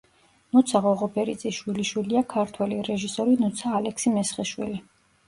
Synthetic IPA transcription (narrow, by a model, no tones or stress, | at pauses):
nut̪sʰaʁɔʁɔpʰɛɾit̪sʼiʃwiliʃwiliakʰaɾt̪ʰwɛliɾɛʒisɔɾinut̪sʰaːlɛksimɛsχiʃwili